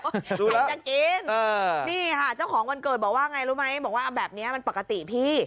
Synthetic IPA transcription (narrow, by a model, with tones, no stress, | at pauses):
duː˧˨lt͡ɕa˨˩ki˧nəː˧˩niː˥˩haː˨˩k̚t͡ɕa˥˩wkʰɔː˩˦ŋma˧nkɤː˨˩t̪̚bɔː˨˩kwaː˥˩ʔŋa˧jɾuː˦˥ma˦˥jbɔː˨˩k̚waː˥˩a˧bɛː˨˩p̚ni˦˥ɐma˧npa˨˩kːa˧t̪ḭ˨˩pʰiː˥˩